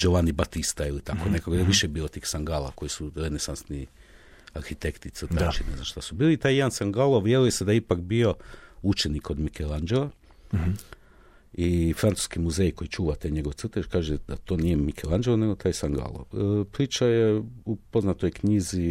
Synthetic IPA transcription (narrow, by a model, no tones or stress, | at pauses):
d͡ʒoʋanibat̪ist̪ailit̪akonekaɡ̪ajeʋiʃebiːlˠot̪iːxsaŋɡalˠa̰ko̞jisuɾenesansni | aɾxit̪e̞kt̪it̪st̪at͡ʃineznanʃt̪asubiːlit̪aːjed̪ansaŋɡalˠoʋjeɾujesed̪ajeipakbio̞ut͡ʃeniko̞d̪mikʰelˠand͡ʒelˠa | ifɾant̪u̥skimuze̞jko̞jit͡ʃuːʋat̪ajɲe̞ɡoʋt̪sr̩t̪et͡ʃkaːʒed̪at̪o̞ːnijemikʰelˠand͡ʒelneɡo̞t̪aːjsaŋɡa̰lˠo̰pɾiːt͡ʃajeupo̞znat̪ojkɲizi